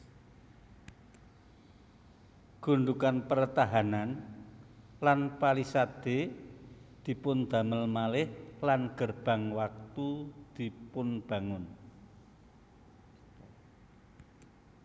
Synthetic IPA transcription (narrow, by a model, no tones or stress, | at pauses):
ɡ̥ṳɳɖ̪ukanpərt̪aɦanan | lanpalisad̪̥e̤ | d̪̥i̤pʊnd̪̥a̤məlmalɪhlanɡ̥ərb̥a̤ŋwak̚t̪ud̪̥i̤pʊnb̥a̤ŋʊn